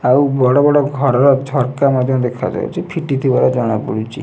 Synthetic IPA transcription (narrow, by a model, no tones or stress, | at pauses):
awbɔɽɔbɔɽɔɡʱɔɾɔɾɔd͡ʒʱɔɾkamad̪ʱjɔ̃d̪ekʰa̰d͡ʒa̰ṵt͡ʃʰipʰiʈit̪ʰibaɾad͡ʒɔɽ̃apuɽut͡ʃʰḭ